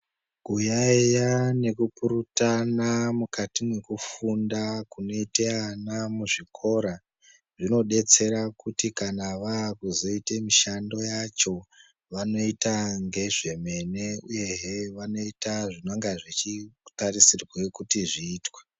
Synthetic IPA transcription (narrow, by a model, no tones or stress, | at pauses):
kujaejane̞kupuɾutanamukatimwe̞kufundakuno̞iteanamuʐikʰo̞ɾa | ʐino̞ɗe̞t͡se̞ɾakutikanaʋaːkuzo̞itemiʃando̞jat͡ʃo̞ | ʋano̞itaŋɡe̞ʐe̞me̞ne̞uje̞ɦeʋano̞itaʐinoŋɡaʐit͡ʃitarisirwe̞kutiʐiːtwa